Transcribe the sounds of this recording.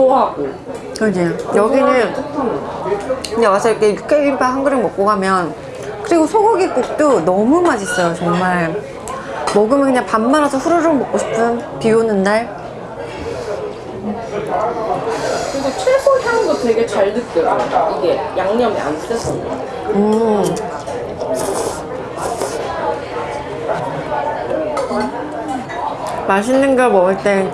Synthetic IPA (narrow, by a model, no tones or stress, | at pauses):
toɦaɡo | kɯɲejʌɡinɯnt͈ʰɯtʰamjʌkɯɲawasʰʌik͈ːejuk͈eɡimpʰahaŋɡɯɾɯŋmʌk̚k͈oɡamjʌn | kɯɾiɡosʰoɡoɡik͈ok̚t͈onʌmumad͡ʑis͈ʌjot͡ɕʌŋmaɭ | mʌɡɯmjʌkɯɲaŋpamːaɾasʰʌɸuɾɯɾɯmʌk̚k͈oɕʰi̥pʰɯmpiunɯndaɭ | kɯndet͡ɕʰwesʰoçaŋdotwe̞ɡe̞t͡ɕaɭdɯk̚t͈ɯɾaiɡe̞jaŋɲʌmia̰nt͈ʌs͈ɯmida | ɯ | maɕ̬ʰinːɯnɡʌmʌɯɭt͈e